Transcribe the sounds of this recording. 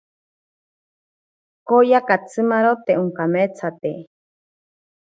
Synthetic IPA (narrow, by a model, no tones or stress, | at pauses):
kojakat͡sʰɨmaɾot̪euŋkamet͡sʰat̪e